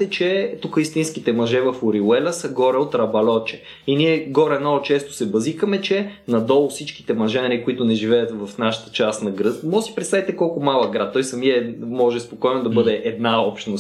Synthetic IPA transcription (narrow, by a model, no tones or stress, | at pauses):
t̪ɛt͡ʃɛt̪ukəist̪inskit̪ɛmɐʒɛvɐfʊɾiwɛlʲəsəɡɔɾɛot̪ɾɐbɐlɔt͡ʃɛ̥ | iniɛɡɔɾɛnɔɡʊt͡ʃɛst̪o̥sɛbɐzixəmɛt͡ʃɛnɐd̪ɔlˠʊsit͡ʃki̥t̪ɛmɐʒɛnɐɾikoit̪ʊnɛʒivɛjət̪vɐfnaʃə̥t̪ə̥t͡ʃast̪nɐɡɾɤt̪mɔʒəsi̥pɾɛt̪st̪avit̪ɛkɔlˠkʊmalˠəɡɾat̪̚t̪ːɔjsɐmiɛmɔʒɛspokɔjnod̪ɐbɤd̪ɛʔɛd̪naɔpʃt̪nos